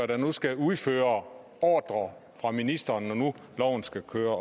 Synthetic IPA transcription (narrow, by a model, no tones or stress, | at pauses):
æd̥ænusɡ̥æuðˠføːɐ | ɒːd̥ʁɐ | fʁɑ̈minisd̥ɐnɒnu | lɒʊn̩sɡ̥ækʰøːɐ